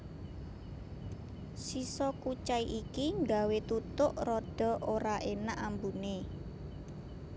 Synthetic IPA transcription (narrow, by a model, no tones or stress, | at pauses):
sisɔkut͡ʃaiʔikiŋɡawet̪ut̪ʊʔrɔɖ̥ɔ̤oɾaʔenaʔambune